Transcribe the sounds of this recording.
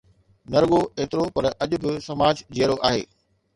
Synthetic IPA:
nɐɾɠoeːt̪ɪɾopɐɾɐʄʊ̆bɪsɐmaːd͡ʑd͡ʑeːəɾoʔaːɦḛː

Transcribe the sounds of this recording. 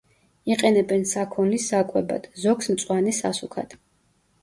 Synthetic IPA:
iqʼɛnɛbɛnsakʰɔnlisakʼwɛba̰d̪̥zɔksmt̪sʼwanisasukʰa̰d̪̥

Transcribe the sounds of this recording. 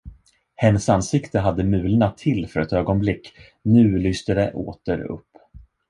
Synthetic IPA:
hɛnːəsansɪkt̪əɦad̪ːəmʉ̟ːlnat̪ʰɪlːfœɾɛt̪øːɡɔnblɪkː | nʉ̟ːlʏst̪əd̪ɛʔo̰ːt̪əɾɵ̰pː

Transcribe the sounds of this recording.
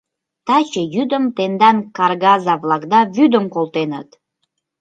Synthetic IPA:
t̪ɑt͡ɕəjyd̪əmt̪end̪ɑnkɑrɣɑzɑvlɑkd̪ɑβyd̪əmkolˠt̪enə̰t̪

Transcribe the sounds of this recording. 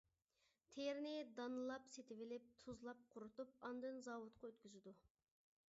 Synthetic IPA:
t̪ʰeɾnɪd̪ɑnɨlˠɑpset̪ʰɪvɪlɪp̚t̪ʰuzlˠɑp̚qʰʊɾut̪up̚ɑnd̪ɨnzɑwʊt̪̚qʰɑøt̪̚kʲyzɪd̪u

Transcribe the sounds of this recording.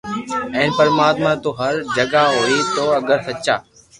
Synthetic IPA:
ɛ̃ːnpəɾmaːt̪mãːt̪oːɦəɾd͡ʒəɡaːɦoːiːt̪oːɐɡəɾsətːt͡ʃa̰ː

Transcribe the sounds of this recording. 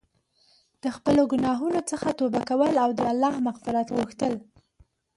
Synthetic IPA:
d̪̥əxpəloɡʊnɑɦunot͡səxat̪obakawəlawd̪əalːɑhmaɣfɪɾat̪ɣuxt̪əl

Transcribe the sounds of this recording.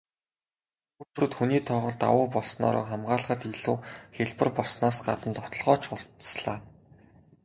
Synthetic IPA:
ut͡ɕ̆rɵ̆t̪xuniːt̪ʰɔʁɞ̆ɮt̪a̰wʊːpɔɮsnɔ̰ːɾɔ̰ːχamɢaːɮ̆χə̆t̪iɮuːxeɮpə̆rpɔɮsnɔːsɢa̰t̪ə̆nt̪ɔt̪ɞ̆ɮʁɔːt͡ɕʊrt̪sɮaː

